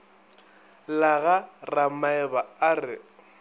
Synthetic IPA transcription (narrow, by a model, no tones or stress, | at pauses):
laɣaramaɛbaarɪ̰